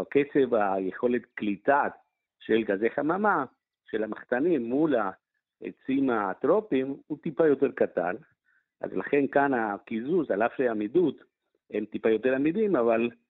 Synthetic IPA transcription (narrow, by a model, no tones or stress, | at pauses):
aket͡se̞vajeχo̞le̞t̪klit̪at | ʃe̞lɡazeχamama | ʃelamaχt̪animːula̰ | t͡simat̪ʁo̞pimut̪ipajo̞te̞ʁkat̪a̰n | ʔa̰zla̰χe̞nkanakizuzalafʃeamidut̪ | hemt̪ipajo̞teʁamid̪imaval